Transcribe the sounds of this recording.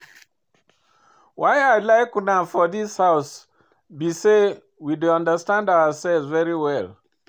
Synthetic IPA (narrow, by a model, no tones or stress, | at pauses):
wajaɪlaɪknãmfɔðishaʊs | bise | widuãndəstãndawəsɛlzvɛɹiwɛl